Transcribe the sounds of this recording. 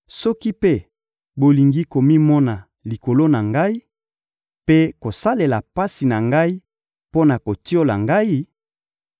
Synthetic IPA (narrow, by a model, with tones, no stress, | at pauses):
sɔ˦ki˦pe˦ | bo˨li˨ŋɡi˦ko˨mi˦mɔ˦na˨ | li˨ko˨lo˦na˨ŋɡa˦i˦ | pe˦ko˨sa˦le˨la˨pa˦si˨na˨ŋɡa˦i˦ | po˦na˨ko˨ti˦o˦la˨ŋɡa˦i˦